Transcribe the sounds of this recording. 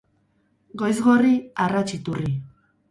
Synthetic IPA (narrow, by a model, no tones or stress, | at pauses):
ɡo̞jzɣo̞riarat͡ʃit̪uri